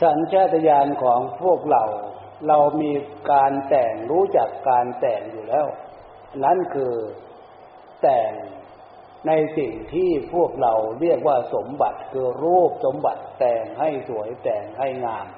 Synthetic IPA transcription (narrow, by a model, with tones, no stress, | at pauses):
t͡ɕʰa˨˦nt͡ɕʰaː˥˩t̪ːa˧jaː˧nkʰɔː˩˦ŋpʰu˥˩ək̚ɾa˧w | ɾa˧wmiː˧kaː˧nt̪ɛː˨˩ŋɾuː˦˥t͡ɕa˨˩kːaː˧nt̪ɛː˨˩ŋ̚juː˨˩lɛː˦˥˩w | na˦˥˨nkʰɯː˧ | t̪ɛː˨˩ŋ | na˧jsi˨˩ŋt̪ʰiː˥˩pʰu˥˩ək̚ɾa˧wɾi˥˩ək̚waː˥˩so˩˦mba˨˩t̪̚kʰɯː˧ɾuː˥˩p̚so˩˦mba˨˩t̪ːɛː˨˩ŋha˥˩jsu˩˦əjt̪ɛː˨˩ŋha˥˩jŋaː˧m